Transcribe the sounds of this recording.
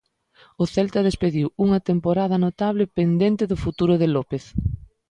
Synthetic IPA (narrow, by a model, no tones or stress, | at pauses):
ʊθɛlt̪ɐðespeðiwuŋɐt̪empoɾaðɐnot̪aβlɪpend̪ent̪ɪðʊfut̪uɾʊðɪlopeθ